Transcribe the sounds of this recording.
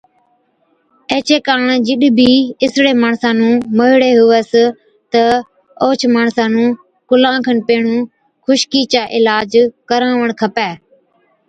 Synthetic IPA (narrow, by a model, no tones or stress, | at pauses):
eːt͡ʃeːkaːɳd͡ʒɪɗbʱiːɪsɽeːmaːɳsãːnũːməɦɪɽeːɦʊʋəs | t̪ə | oːt͡ʃʰmaːɳsãːnũː | kʊlãːkʰənpeːɳũː | xʊʃkiːt͡ʃaːʔɪlaːd͡ʒkəɾãːʋəɳ̃kʰəpɛː